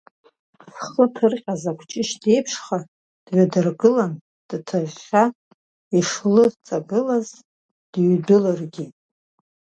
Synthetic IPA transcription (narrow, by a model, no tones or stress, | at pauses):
sχətʰɨrqʲʼazakʷʰt͡ʃʼɪʃde̞jpʰʂχa | d̥ɥadɨrɡɨlan | d̥tʰaʒːa | iʂlɨt͡sʼabɨlaz | d̥ɥdɨlarɡʲi